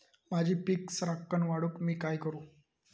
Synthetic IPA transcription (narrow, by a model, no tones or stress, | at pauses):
mad͡ʑʱiːpiksɾakːəɳʋaɽuːkmiːkajkəɾuː